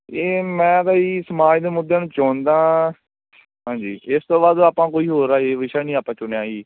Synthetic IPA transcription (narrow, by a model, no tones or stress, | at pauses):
eːmɛ̃ːd̪aːiːsəmaːd͡ʒd̪eːmʊd̪ːeːnũːt͡ʃɔ̃ːnd̪ãː | ɦãːɲd͡ʒiːɪst̪õːbaːd̪aːpãːkoːiːɦoːɾaːeːʋɪʃaːnĩːaːpãːt͡ʃʊnjaːiː